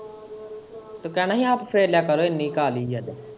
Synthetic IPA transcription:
t̪okɛ̃ːnaːɦĩaːpfɾeːljaːkɐɾoːɪnːikaːliːjɐd̪e

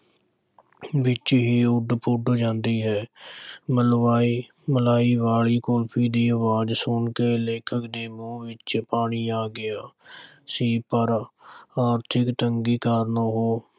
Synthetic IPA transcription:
ʋɪt͡ʃɦiːʊɖpʊɖd͡ʒãːnd̪iːɦɛːməlʋaːi | məlaːiːʋaːɭiːkoːlpʰiːd̪iːəʋaːd͡ʒsʊɳkeːleːkʰəkd̪eːmũːʋɪt͡ʃpaːɳiːaːɡɪjaː | siːpəɾaːɾt̪ʰɪkt̪əŋɡiːkaːɾnaːɦoː

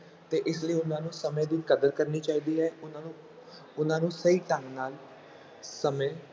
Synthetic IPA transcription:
t̪eːʔɪsləiːʊnãːnũːsəmẽːd̪iːkəd̪əɾkəɾniːt͡ʃaːiːd̪iːɦɛːʊnː | ʊnãːnũːsəiːʈə̃ŋɡnaːl | səmẽː

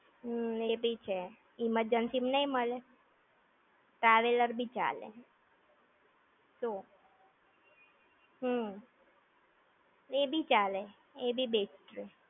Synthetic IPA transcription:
ɦebʱit͡ʃʰe | iməɾd͡ʒənsimnəiməle | ʈɾaʋeləɾbʱit͡ʃa̰lḛ | so | ɦə | ebʱit͡ʃale | ebʱibesʈɾe

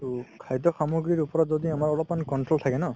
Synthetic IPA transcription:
ukʰajdɔxamuɡɹiɹupɔɹɔtzɔdiamaɹɔlɔpmankɔntɹolt̪ʰakɛnɔ

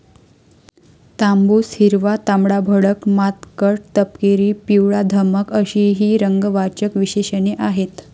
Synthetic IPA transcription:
t̪ambushiɾʋat̪amɽabʱəɽəkmat̪kəʈt̪əpkeɾiːpiwɭad̪ʱəməkəɕiɦiːɾəŋɡʋat͡ɕəkʋiɕeɕəneʔaɦet̪

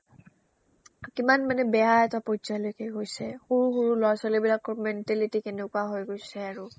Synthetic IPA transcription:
kimanmanɛbɛaɛtapɔzɔjlojkɛɡojsɛxuɹuxuɹulɔasalibilakːɔɹmɛntɛlitikenekuaɦojɡojsɛaɹu

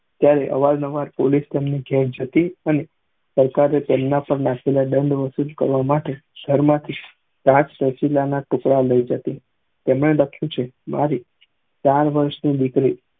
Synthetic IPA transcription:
t̪jaɾeʔə̰ʋalnəʋaɾpolist̪emniɡʱɛɾd͡ʒət̪iəne | səɾkaɾet̪emnapəɳnakʰelaɖəɳɖʋəsulkə̰ɾʋamaʈeɡ̥ʱəɾmãt̪ʰi | kãt͡ʃpəsilanaʈʊkɽaləid͡ʒət̪i | t̪emɳeləkʰjũt͡ʃʰema̰ɾi | t͡ʃaɾʋəɾʃnid̪ikɾi

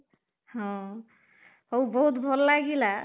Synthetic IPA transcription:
hɔ̃ | owbɔɦut̪bʱɔlːaɡila

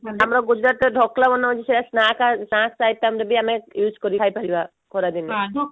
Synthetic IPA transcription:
amɾaɡud͡ʒɾat̪eɖʱɔklabɔnːɔbat͡ʃʰiseɾasnakasnasajt̪ːamɾebiamɛjuskɔɾiajpaɾiba | kʰɔɾad̪inɛ

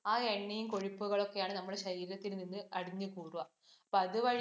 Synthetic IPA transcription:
aːeɳːijumko̞ɻipːuɣɐɭo̞kːe̞jaːɳɨnɐmːuɽeɕɐɾiːɾɐt̪ːilninːɨʔɐɽiɲːɨkuːruʋɐ | ɐpːoɐðɨʋɐɻ

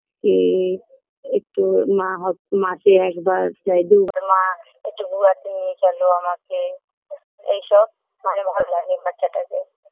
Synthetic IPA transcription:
ki | ek̚ʈumãɦɔmãseɛkbaɾt͡ʃajd̪uubaɾmã | ekʈːuɡuat̪enit͡ʃaloamake | ḛjʃɔb | manebʱɔɾlanibat̪ːʃʰaʈake

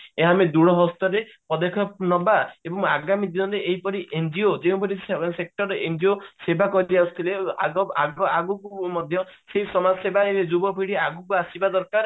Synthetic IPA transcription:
eɦamed̪uɽɔɦɔst̪ɔɾe | pɔd̪ekʰɔnɔbaebɔŋaɡamid̪iɔɾeʔeɦipɔɾiʔend͡ʒiod͡ʒeũpɔɾissek̚ʈɔɾeend͡ʒiosebʱakɔd̪iasu̥t̪ʰileaɔaɡɔaɡukumɔd̪ʱjɔ | seɦisɔmad͡ʒɔsebaeed͡ʒubɔpʰiɽiaɡukuasibad̪ɔɾkaɾ

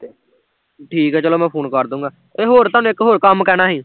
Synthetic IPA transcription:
ʈʰiːkɦɛːt͡ʃəloːmɛ̃ːpʰoːnkəɾd̪ũːŋɡaː | eːɦoːɾt̪aːnũːɪkɦoːɾkəmkɛːnaːɦiː

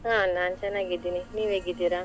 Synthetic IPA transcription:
ɦãnant͡ʃanaɡid̪ininiʋeɡid̪iɾa

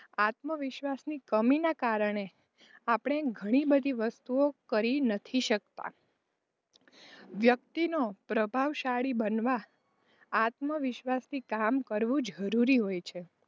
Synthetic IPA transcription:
at̪məʋɪʃʋasnikəminakaɾəɳ̃e | apɳ̃eɡʱəɽ̃ibəd̪ʱiʋəst̪uokəɾinət̪ʰiʃək̚t̪a̰ | ʋjək̚t̪inopɾəbʱaʋʃaɭibənʋaː | t̪məʋɪʃʋasnikamkəɾʋũd͡ʒəɾuɾiɦojt͡ʃʰe

